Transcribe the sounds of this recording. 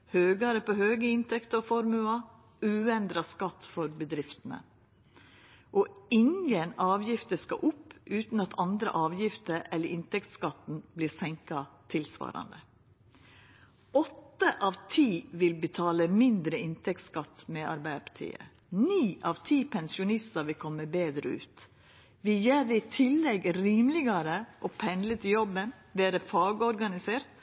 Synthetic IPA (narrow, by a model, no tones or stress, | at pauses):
høːɡɑɾəpoːhøːɡəɪnt̪ɛkt̪əɔfɔɾmʉɑ | ʉːɛnd̪ɾɑskɑt̪ːfɔɾbəd̪ɾɪft̪ənə̰ | ʔɔɪŋɡənɑːʋjɪft̪əskɑ̰ʔʊpːʔʉːt̪n̩ɑt̪ʰɑnd̪ɾə̰ʔɑːʋjɪft̪əɾɛlːəʔɪnt̪ɛkt̪skɑt̪n̩bliːsɛŋkɑt̪ʰɪlsʋɑ̰ːɾɑ̰nd̪ə | ɔt̪ːəʔɑːʋt̪ʰiːʋɪlbət̪ʰɑːləmɪnd̪ɾəɪnt̪ʰɛk̚t̪skɑt̪ːmɛʔɑ̰ɾbæɪd̪əpɑ̥t̪ʰḭːə̰ | niːʔɑʋt̪ʰiːpʰɛnsɪʊnɪst̪ɑɾʋɪlkʰɔmːəbeːd̪ɾəʉ̰ːt̪ | ʋɪjeːd̪ɛɪt̪ʰɪlːɛɡɾiːmlɪɡɑɾəʔoːpʰɛnd̪lət̪ʰɪjɔbːən | beːɾəfɑːɡəɔɾɡɑnɪseːɾt̪